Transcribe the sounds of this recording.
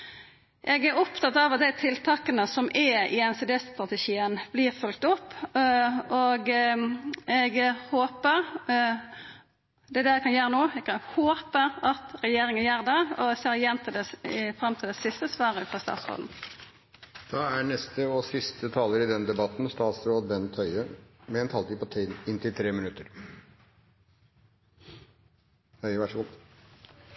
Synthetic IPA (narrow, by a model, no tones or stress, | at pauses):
ʔɛɡæɾɔpt̪ʰɑt̪ːɑʋɑt̪̚d̪æɪt̪ʰɪlt̪ʰɑːkənəsɔmʔɛɪɛnsɛd̪ɛsst̪ʁɑt̪əʃiːənb̥liːʁfʉlk̚t̪ʊpː | ʔɔɡ | ɛɡhoːpəɾ | d̪ɛæd̪ɛækʰɑnjøːɾənoːɛkɑhoːpəɾɑt̪ɾɛjeːɾɪŋənjæːʁd̪ɛɔseːʁjɛnt̪ʰɪld̪ɛɪfɾɑmt̪ʰɪld̪ɛsɪst̪əsʋɑːʁəʉːt̪ɑst̪ɑ̰ːt̪sʁo̰ːd̪n̩ | d̪̥ɑːæɳɛst̪əɔsɪst̪ət̪ʰɑːləɾɪd̪ɛnd̪ɛbɑt̪n̩st̪ɑːt̪sɾoːd̪̚bɛnt̪ʰœʏəmɛɛnt̪ʰɑːlt̪iːpʰɔt̪ʰɪnt̪ʰɪlt̪ʰɾeːmɪnʉt̪ːəɾ | hœɪʋæʂɔɡʊt̪